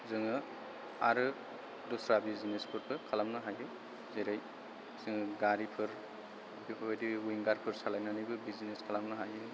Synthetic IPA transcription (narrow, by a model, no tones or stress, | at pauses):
zɯŋɯ | aɾɯ | dɔsɾabizinespʰɯɾpʰɯkʰalamnɯɦajɯ | zeɾaj | z̥ɯŋɯɡaɾipʰɯɾ | bidiwiŋɡaɾpʰɯɾsalajnanajbɯbizineskʰalamnɯɦajɯ